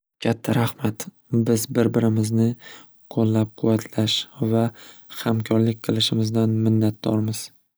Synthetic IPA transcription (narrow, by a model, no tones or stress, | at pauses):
kʲʰat̪ʰːaɾahmat̪ | bɪzbɪɾbɪɾɪmɪznɪ | qʰolːap̚qʰʊvat̪ʰlaʃvahamkʰɒɾlɪk̚ʲqʰɨlˠɪʃɪmɪzd̪anmɪnːat̪̚d̪ɒ̰ɾmɪz̥